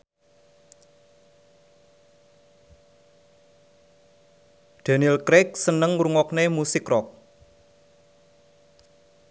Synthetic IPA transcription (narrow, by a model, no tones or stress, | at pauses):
d̪̥a̤nilkɾɛk̚sənəŋɾuŋɔknemusikrɔk̚